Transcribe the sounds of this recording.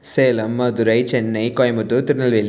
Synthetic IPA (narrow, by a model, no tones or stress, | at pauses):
seːlɐmːɐd̪ʊɾɐɪt͡ʃɛnːɐɪkɔjɐmɐt̪ːɯt̪ɪɾɯnɐlʋelː